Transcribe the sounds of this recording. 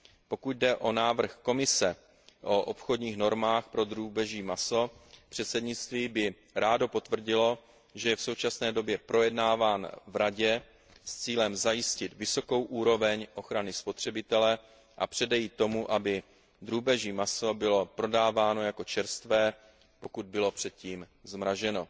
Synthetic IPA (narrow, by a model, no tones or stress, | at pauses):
po̞kut̪̚dɛʔo̞naːvr̩xko̞mɪsɛ | ʔo̞ʔopxo̞dɲiːxno̞ɾmaːxpɾo̞d̪ɾuːbɛʒiːmaso̞pr̝̥ɛt̪sɛdɲɪt͡st̪viːbɪ | ɾaːdo̞po̞t̪vr̩ɟɪlo̞ | ʒɛjɛfso̞wt͡ʃasnɛːdo̞bjɛpɾo̞jɛdnaːvaːnvɾaɟɛ | st͡siːlɛmzajɪscɪt̪vɪso̞ko̞wʔuːɾo̞vɛɲʔo̞xɾanɪspo̞t̪r̝̥ɛbɪt̪ɛlɛ | ʔapr̥ɛdɛjiːt̪ːo̞muʔabɪ | d̪ɾuːbɛʒiːmaso̞bɪlo̞pɾo̞daːvaːno̞jako̞t͡ʃɛɾst̪vɛː | po̞kud̪̚bɪlo̞pr̥ɛt̪̚ciːm | zmɾaʒɛno̞